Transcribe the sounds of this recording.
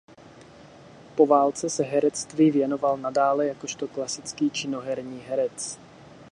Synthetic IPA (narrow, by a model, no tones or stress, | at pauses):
po̞vaːlt͡sɛsɛɦɛɾɛt͡st̪viːvjɛno̞valnadaːlɛjako̞ʃt̪o̞klasɪt͡skiːt͡ʃɪno̞ɦɛɾɲiːɦɛɾɛt͡s